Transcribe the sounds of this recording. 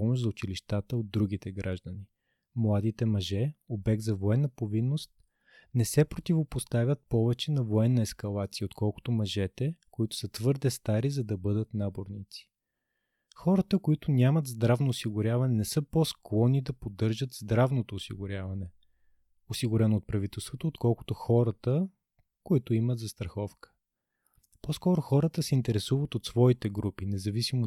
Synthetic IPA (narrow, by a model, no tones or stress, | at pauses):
pɔmoʃzɐʊt͡ʃiliʃt̪at̪əod̪ːɾuɡ̟it̪ɛɡɾaʒd̪ɐni | mlˠad̪it̪ɛmɐʒɛobɛɡ̚d̪zɐvoɛnːɐpovinːost̪̚ | nɛsɛpɾot̪ʲivopost̪avʲjət̪̚pɔvɛt͡ʃɛnɐvoɛnːɐɛskɐlˠat̪sijəot̪kʰɔlˠkʊ̥t̪omɐʒɛt̪ɛkoit̪ʊ̥sət̪vɤɾd̪ɛst̪aɾizɐd̪ɐbɤd̪ət̪naboɾnit̪si̥ | xɔɾət̪əkoit̪ʊnʲamət̪zd̪ɾavnoːsiɡʊɾʲjavɐnɛnɛsɤpɔsklˠɔnid̪ɐpod̪ːɤɾʒət̪zd̪ɾavnot̪oːsḭɡʊɾʲjavɐnɛ | osiɡʊɾɛnooːt̪̚pɾɐvit̪ɛlˠst̪vot̪oːt̪kɔlˠkʊ̥t̪ʊxɔɾɐt̪ə | koit̪ʊiməd̪zɐst̪ɾɐxɔfkə̥ | poskɔɾʊxɔɾət̪əsɛint̪ɛɾɛsuvət̪ot̪svɔit̪ɛɡɾupinɛzɐvisimo